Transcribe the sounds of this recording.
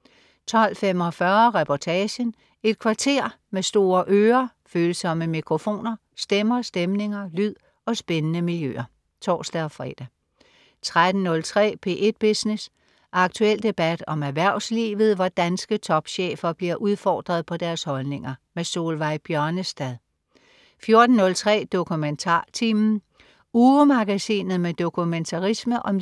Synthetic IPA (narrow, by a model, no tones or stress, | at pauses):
t͡sʰɒ̽l̰fem̰ɒ̽fɶɐʁɛpʰɒt͡sʰɛːɕən | e̝d̥̚kʰʋɑ̈t͡sʰe̝ɐ̰mesd̥o̝ːɐʔøːɐføːlsɒ̽məmikʰʁo̝fo̝̰ːnɐ | sd̥emɐsd̥emne̝ŋɐlyð̰ˠ | ɒ̽sb̥enənəmiljø̰ːɐ | t͡sʰɒ̰ːsd̥ɛɒfʁɛ̰ːd̥æ | t͡sʰʁad̥n̩nɔ̽lt͡sʰʁɛ̰ːpʰe̝̰ːʔe̝d̥̚b̥isnes | ʔɑ̈ɡ̥̚t͡sʰuel̰d̥e̝b̥æd̥ɒ̽mæʋæɐ̰ʊslḭːʋð̞̩ˠʋɒd̥ænsɡ̥ət͡sʰɒ̽b̥ɕḛːfɐb̥liɐʔuð̞ˠfɒ̰ːd̥ʁɐð̞ˠpʰɒ̽d̥æɐshɒ̽lne̝ŋɐmeso̝ːlʋɑ̈ɪ̰b̥jɶɐnəsd̥æðˠ | fjo̝ɐd̥n̩nɔ̽lt͡sʰʁɛ̰ːd̥o̝kʰument͡sʰɑ̰ːt͡sʰiːmn̩ | uːəmɑ̈ɡ̥æsḭːnð̞̩ˠmed̥o̝kʰument͡sʰɑ̈ʁisməʔɒ̽m